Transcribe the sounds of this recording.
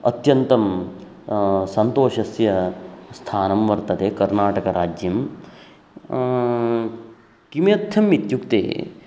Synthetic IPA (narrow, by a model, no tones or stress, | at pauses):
ɐ̰t̪jɐnt̪ɐm | sɐnt̪oːʃɐsjɐst̪ʰaːnɐmʋɐɾt̪ɐt̪eːkɐɾnaːʈɐkɐɾaːd͡ʒjɐm | kimjet̪ʰːjɐmːit̪jukt̪ḛː